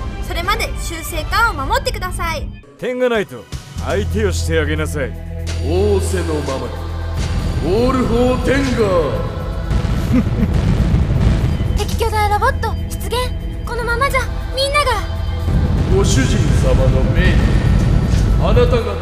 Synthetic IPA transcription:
so̞ɾe̞mad̪e̞ɕɨːse̞ːkãɰ̃o̞mamo̞t̪ːe̞kɯ̟d̪asai | t̪ẽ̞ŋɡanait̪o̞̰ait̪e̞o̞ɕi̥t̪e̞aɡe̞nasaḭoːse̞no̞mamaɲ | oːɾɯ̟ɦot̪ẽ̞ŋɡa | t̪e̞kʲi̥kʲo̞ːd̪aaɾabot̪ːo̞çi̥t͡sɨɡẽ̞ŋ | ko̞no̞mamad͡ʑa | mʲĩnːaɡa | ɡo̞ɕɨʑĩnsamano̞meɲʲi | anat̪aɡa

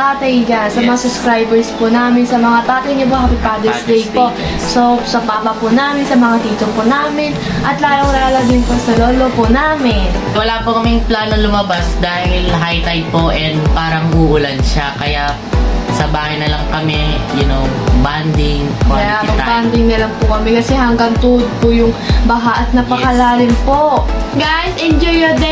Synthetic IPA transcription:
t̪aːt̪ɐjɡansɐmɐŋasʊskɾajbɛɹspʊnaːmɪnsɐmɐŋat̪aːt̪ɐjɲop̬ohapɪpaːd̪ɛslejpoʔ | sosɐpaːpɐpʊnaːmɪnsɐmɐŋat̪iːt̪oŋponaːmɪn | ʔɐt̪laːloŋlalɐd̪ɪnposɐloːlopʊnaːmɪn | wɐlaːpʊkɐmɪŋplaːnoŋlʊmɐbasd̪aːhɪlɦajt̪ajpoʔɛnd̪paːɾɐmɐɡuʔʊlɐnʃakɐjaʔ | sɐbaːhɐjnɐlɐŋkɐmɛjɐnoband̪ɪŋɐjaɐaband̪ɪŋnɐlɐŋpʊkɐmɛkɐsɛhɐŋɡɐŋt̪uʔd̪̚pʊjʊŋbɐɦaʔɐt̪̚nɐpɐkɐlaːɾɪmpoɡajsʔɛnd͡ʒujɐd̪ɛ

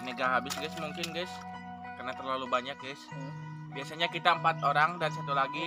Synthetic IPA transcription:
neɡaɦabɪsɡɛsmuŋkɪnɡɛs | kərnat̪ərlalubaɲak̚ɡɛs | biasaɲakit̪aəmpat̪oɾaŋdaɾisat̪ulaɡi

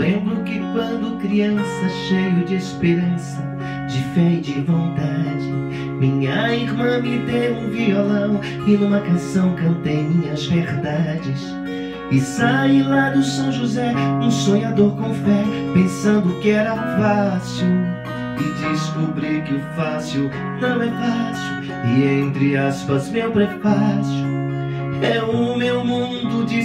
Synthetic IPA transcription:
lẽmbɾʊkɪkwɐ̃nd̪ʊkɾiɐ̃sɐʃejʊd͡ʒɪespeɾɐ̃sɐ | d͡ʒɪfɛɪd͡ʒɪvõnt̪ad͡ʒɪ | mĩɲɐiɾmɐ̃mɪd̪ejũviolɐ̃w̃ | ɪnũmɐkɐ̃sɐ̃w̃kɐ̃nt̪ejmĩɲɐzveɾd̪ad͡ʒɪs | ɪsalad̪ʊsɐ̃w̃ʒuzɛũsõɲad̪oɾkõw̃fɛ | pẽsɐ̃nd̪ʊkɪɛɾɐfasiw | ɪd̪ɪskubɾiɾkɪʊfasiw | nɐ̃w̃ɛfasiw | ɪẽnt̪ɾɪaspɐzmewpɾefasu | ɛũmewmũd̪ʊd͡ʒi

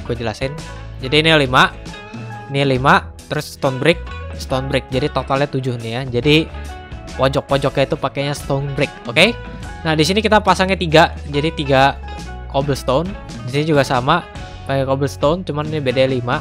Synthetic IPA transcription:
ɡuad͡ʒəlasɪnd͡ʒadinilimaʔ | nilimat̪əɾʊst̪onbɾɪk̚sə̥t̪onbɾɪk̚d͡ʒadit̪ot̪alɲat̪ud͡ʒʊhnɪjad͡ʒadi | wɔd͡ʒɔk̚pɔd͡ʒɔkjait̪upakeɲast̪onbɾɪk̚oke | nahdisinikit̪apasaŋɲat̪iɡad͡ʒadit̪iɡa | kobəlst̪on | disinid͡ʒuɡasama | pakekobəlst̪ont͡ʃumannibedaalima

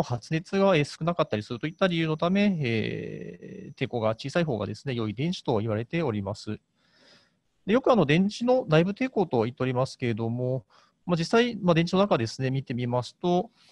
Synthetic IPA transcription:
hat͡sɨne̞t͡sɨɡae̞ːsɨ̥kɯnakat̪ːaɾʲisɨɾɯ̟t̪o̞it̪ːaɾʲijɯːno̞t̪ame̞ḛː | t̪e̞ːko̞ɡat͡ɕiːsaiɦo̞ːɡa̰d̪e̞sɨne̞jo̞id̪ẽ̞ɲ̃t͡ɕi̥t̪o̞iβ̞aɾe̞t̪e̞o̞ɾʲimasɨ | d̪e̞jokɯ̟anod̪ẽ̞ɲ̃t͡ɕino̞naibɯt̪e̞ːko̞t̪o̞it̪ːeo̞ɾʲimasɨ̥ke̞ɾed̪o̞mo̞ | mad͡ʑisːaimad̪ẽ̞ɲ̟t͡ɕinonakad̪e̞sɨne̞mʲit̪e̞mʲimasɨ̥t̪o̞

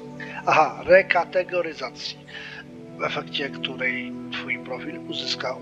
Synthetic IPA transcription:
aɦaɾɛkat̪ɛɡɔɾɪzat̪sji | vɛfɛkt͡ɕɛkt̪uɾɛjt̪fujpɾɔfʲiluzɪska

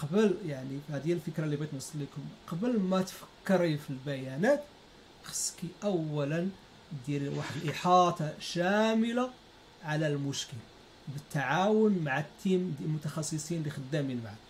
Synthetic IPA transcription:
qɑbəljaʕnifhæd̪jælfəkɾɑlːibijt̪nəsˤːlːikʊmqɑbəlmæt̪fə̥kːəɾifilbæjænæt̪ | xə̥sːkiʔæwːælən | d̪ilwaħəd̪əlʔəħɑt̪ˤɑʃæməla | ʕalælmʊʃkəl | bət̪ːaʕawʊnmaʕat̪ːimd̪ilmʊt̪ɑxɑsˤːəsˤinlixəd̪ːæmilmʕad̪

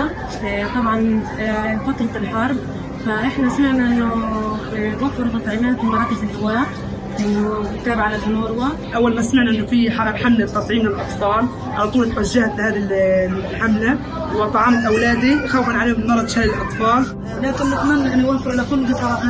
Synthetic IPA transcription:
t̪ˤɑbʕɑn | fɑt̪ˤːlt̪ɪlħɑɾˤb | faʔɪħnaʔsmaʕnaʔɪnːʊ | wafːɪɾt̪ɑt̪ˤʕiːmaːt̪mbɑɾˤɑːt̪ɪfɪlʔawaːʔ | ʔɪnːʊɪt̪ːaːbɪʕalad̪hʊnoːɾwa | ʔawːalmasmaʕnaʔɪnːʊfiħaːlalħamlabt̪ːɑt̪ˤʕiːmnɪlʔɑt̪ˤfɑːl | ʕalɑt̪ˤuːlɪt̪waʒːahafihaːðilħamla | wɪt̪ˤɑʕɑːmalʔawlaːd̪ixawfanʕaleːhʊmnːɑɾˤɑd̪ʃaːlɪlʔɑt̪ˤfɑːl | laːkɪnːat̪amanːaʔɪnːjwafːɪɾʕalakʊlːd̪ɪt̪ħɑɾˤaʔa

